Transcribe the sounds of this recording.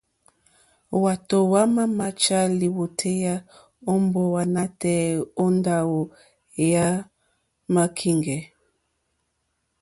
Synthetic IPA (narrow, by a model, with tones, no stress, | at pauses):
wa˨to˨wa˦ma˦ma˦t͡ʃa˦li˨wo˨tʰe˦ja˦ | o˦mbo˦wa˨na˦tɛ˦˨o˦nda˦wo˨ | ja˦ | ma˦kʰi˦ŋɡɛ˨